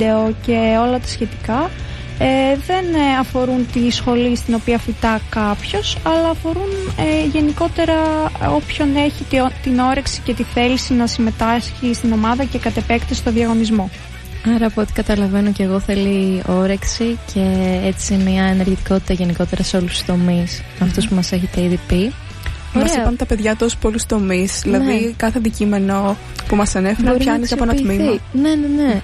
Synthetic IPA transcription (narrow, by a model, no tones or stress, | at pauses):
eoce̞o̞lɐt̪ɐ̥sçe̞t̪i̥kɐ | eðe̞nɐfo̞ɾunt̪isxo̞list̪ino̞piɐfit̪ɐkɐpço̞sɐlɐːfo̞ɾuneʝe̞niko̞t̪e̞ɾɐo̞pço̞ne̞çit̪t̪ino̞ɾe̞ksi̥ce̞t̪iθe̞lisinɐsime̞t̪ɐsçist̪ino̞mɐðɐce̞kɐt̪e̞pe̞kt̪est̪oðiɐɣo̞nizmo̞ | ɐɾɐːpot̪i̥kɐt̪ɐlɐve̞no̞ce̞ɣoθe̞lio̞ɾe̞ksicʰe̞et͡simiɐene̞ɾʝit̪i̥ko̞t̪i̥t̪ɐʝe̞niko̞t̪e̞ɾɐseo̞lust̪u̥st̪o̞mis | ɐft̪o̞spumɐse̞çet̪e̞iðipi | mɐsipɐnt̪ɐpe̞ðʝɐt̪oso̥polust̪o̞mizðilɐðikɐθeðicime̞no̞ | pumɐsɐnefeɾçɐniseɐponɐmiminenene